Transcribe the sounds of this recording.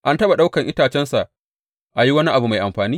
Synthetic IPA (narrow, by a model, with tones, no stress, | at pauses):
ʔa˦ntɐ˦ɓa˨ɗa˦wkɐ˨ŋʔɪ˦taː˨t͡ʃɛ˦nsa˨ʔ | ʔa˨ji˦wɐ˦ni˦ʔa˨bu˨ma˨jʔa˨mɸaː˨niː˦